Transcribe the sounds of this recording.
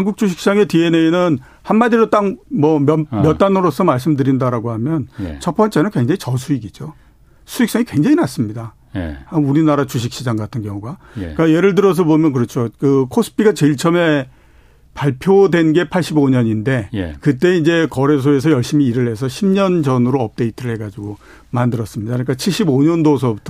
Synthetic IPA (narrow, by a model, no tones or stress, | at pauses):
haŋɡuk̚t͡ɕ͈uɕ̬ʰi̥k̚ɕ͈id͡ʑaŋe̞tie̞neinɯn | hanmadiɾot͈aŋmwʌmʌmjʌt͈anɯɾosʰʌmaɭs̬͈ɯmdɯɾindaɾaɡoɦamjʌn̰t͡ɕʰʌp͈ʌnt͡ɕ͈e̞nɯnkwe̞ŋd͡ʑaŋit͡ɕʌsʰuiɡid͡ʑo | sʰuiks͈ʌŋikwe̞ŋd͡ʑaŋinas͈ɯmɲida | jauɾinaɾat͡ɕuɕ̬ʰik̚ɕ͈id͡ʑaŋɡatʰɯnɡjʌŋuɡak͈aje̞ɾɯɭd̬ɯɾʌs̬ʰʌbomjʌnk̬ɯɾʌt͡ɕʰokɯkʰos͈ʰɯ̥pʰiɡat͡ɕeiɭt͡ɕʰʌme̞ | paɭpʰjodwe̞nɡe̞pʰaɭɕ͈iboɲʌɲinde̞jkɯt̬͈e̞ind͡ʑe̞kʌɾe̞s̬ʰoe̞s̬ʰʌjʌɭɕ͈imiːɾɯɭɦe̞sʰʌɕʰimɲʌnd͡ʑʌnɯɾoʌp̚t͈e̞itʰɯɾɯɭhe̞ɡad͡ʑiɡo | mandɯɾʌs͈ɯmɲidakɯik͈at͡ɕʰiɭɕ͈iboɲʌndos̬ʰʌbutʰʌ